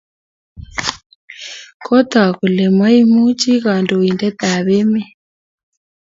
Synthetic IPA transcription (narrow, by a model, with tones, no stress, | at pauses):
kʰɔ˦t̪a˨ku˨lɛ˨ma˦i˦mu˦t͡ʃi˦ɣa˨ndo˨i˨ndɛ˦t̪a˨βe˦mɛ˦